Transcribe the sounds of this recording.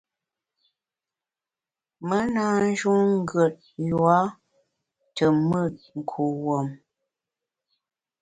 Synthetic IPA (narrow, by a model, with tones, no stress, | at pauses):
mə˦na˦n˦d͡ʒu˦ŋ̩˦ɡə˨t̚jwa˦ | tə˨mə˦˨t̚ŋ̩˨kʰu˨wo˨m